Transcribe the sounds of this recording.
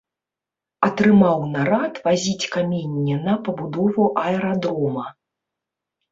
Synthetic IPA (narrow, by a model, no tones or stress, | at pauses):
ɐt̪ɾɨmawnaɾat̪vazʲit͡sʲkamʲenʲːɛnɐpɐbud̪ɔvuʔɐɛɾad̪ɾɔmɐ